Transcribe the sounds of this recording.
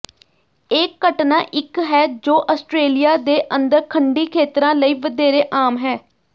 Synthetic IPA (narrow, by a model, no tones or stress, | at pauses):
eːkːəʈnaːʔɪkɦɛːd͡ʒoːʔaːsʈɾeːlɪjaːd̪eːʔənd̪əɾkʰəɳɖiːkʰeːt̪ɾãːləiːʋəd̪eːɾeːʔaːmɦɛː